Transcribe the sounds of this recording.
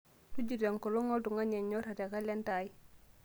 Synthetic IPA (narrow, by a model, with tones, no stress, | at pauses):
du˦ɟu˨de˨ŋkɔ˨lɔ˦ŋɔ˦ldu˨ŋɡa˦ɲe˨ɲːo˦ɾa˨te˨ka˦le˦nta˨ji˦